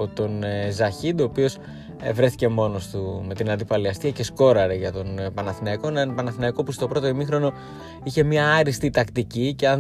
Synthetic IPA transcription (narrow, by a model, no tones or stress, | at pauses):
o̞t̪o̞nzɐçid̪o̞ːpio̞s | evɾe̞θice̞mo̞no̞st̪ume̞t̪inɐnd̪ipɐliɐst̪iɐce̞sko̞ɾɐɾeʝɐt̪o̞npɐnɐθinɐiko̞nnpɐnɐθinɐiko̞pust̪o̞pɾo̞t̪oimixɾo̞no̞ | içe̞mɲɐɐɾist̪it̪ɐkt̪icice̞ɐ